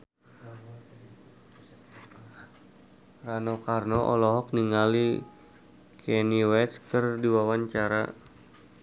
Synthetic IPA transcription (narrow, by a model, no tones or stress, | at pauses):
ranɔkarnɔʔɔlɔɦɔk̚niŋali | kʰɛniwɛt͡ʃkɨrdiwawaɲt͡ʃaɾa̰